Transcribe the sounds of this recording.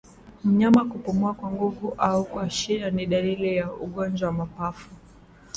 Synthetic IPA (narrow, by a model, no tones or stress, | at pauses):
m̩ɲamakupumuakwaŋɡuvuʔaukwaʃianiɗalilijauɠɔnd͡ʒawamapafu